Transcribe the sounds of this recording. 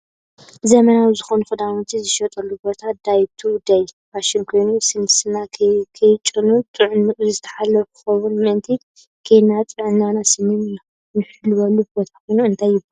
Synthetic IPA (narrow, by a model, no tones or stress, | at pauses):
zɐmɐnawzɨxonuxɨd̪amut̪ʰizɨʃɐt̪ʼɐlːubo̞t̪ʰad̪̥ajt̪ʰuwd̪aj | baʃɪnkʰo̞jnusɨnɨsɨnakʰɐjt͡ʃʼɨnut̪ʼɨʕzɨt̪ʰɐ̥ħalːɐfukʰɨ̥xɐwunmɨʔɨnt̪ʰi | kʰejnːat̪ʼɨʕɨnːanasɨnːɨna | nɨħlɨwɐlːubo̞t̪ʰḁkʰo̞jnuɨnt̪ʰajːɪbl